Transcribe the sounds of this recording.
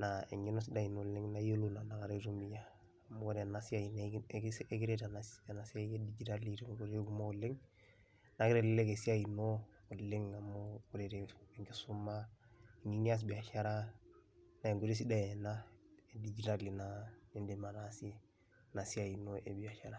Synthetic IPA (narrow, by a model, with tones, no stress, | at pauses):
naḛ˨ŋi˦no˦sidaino˨lːe˦ŋnajo˦lo˦na˨na˨ka˨ɾe˦ɾu˦mi˦jaː | mo˦o˦ɾe˨nasiain | e˦ki˦ɾetanasnasaedid͡ʒi˦ta˦liteuɾku˦ma˦o˨le˦ŋ | na˨ki˦ɾele˦ke˨si˦ainoː˨ | le˦ŋa˨mokuɾeɾeeŋɡe˦su˦mːaeŋi˦ni˦a˦s̬bi˨a˨ʃaɾa˦ | na˨e˨ŋɡo˨ɾe˦si˦da˦jnae˨did͡ʒi˨tali˨nane˦ndemanasi˦ | na˨si˦a˨i˨noʔḛ˨bi˨a˨ʃaɾa˨